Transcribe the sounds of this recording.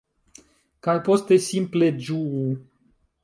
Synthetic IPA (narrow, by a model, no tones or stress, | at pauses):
kalpost̪esimpled͡ʒuu